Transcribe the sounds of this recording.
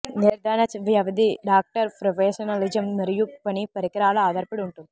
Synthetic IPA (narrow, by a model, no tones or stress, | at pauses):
neɾd̪ʱaːnɐt͡ʃʋjɐʋɐd̪iɖaːk̚ʈɐɾpɾofʰeːʃɐnɐlid͡ʒɐmnɐɾijupɐnipɐɾikɾaːlɐaːd̪ʱɐɾpɐɽuɳʈund̪i